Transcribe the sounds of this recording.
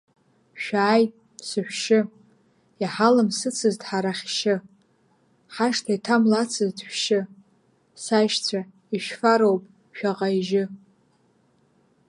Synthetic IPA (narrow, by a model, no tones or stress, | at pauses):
ʃᶣaːj | sɨħʷᶣʃɪ | jaħalɨmsɨt͡sʰɨzdħaɾaχʲʃɪ | ħaʂtʰaitʰamlat͡sʰɨzdħʷᶣʃɪ | saʃt͡sʷʰa | iʃᶣfaɾowpʼ | ʃᶣaʁajiʒɪ